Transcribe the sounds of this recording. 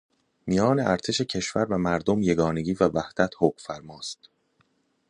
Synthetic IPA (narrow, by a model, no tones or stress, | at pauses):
mijɒːne̞ʔæɾt̪ʰe̞ʃe̞cʰe̞ʃvæɾvæmæɾd̪omje̞ɡɒːne̞ɟiːvævæhd̪̥æt̪ʰhoːkfæɾmɒːst̪